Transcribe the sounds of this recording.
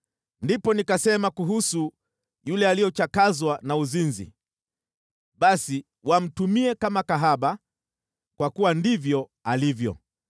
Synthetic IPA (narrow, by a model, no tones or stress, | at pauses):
ndipɔnikasɛmakuɦusu | julɛalijɔt͡ʃakazwanauzinzḭ | ɓasi | wam̩tumiɛkamakaɦaɓa | kwakuwandivjɔalivjɔ̰